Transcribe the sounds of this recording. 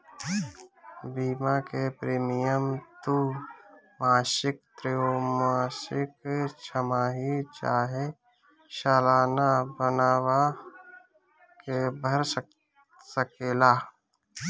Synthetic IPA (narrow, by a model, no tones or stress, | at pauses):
biːmakepɾeːmijəmt̪u | maːʃɪk̚t̪ɾeomaːsɪkt͡ʃʰəmaːɦit͡ʃaːɦe | ʃaːlaːnabənaːwa | kebʱəɾs | səkeːlaː